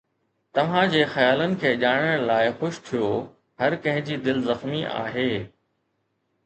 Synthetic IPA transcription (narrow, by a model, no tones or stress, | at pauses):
t̪ɐʋ̤ãd͡ʑeːxɐjaːlənɪ̆kʰeːʄaːɽ̃əɽ̃laːɪxʊʃt̪ʰijo | ɦɐɾkɐ̃ɦɪ̃d͡ʑiːd̪ɪlzɐxmiʔa̰ːɦeː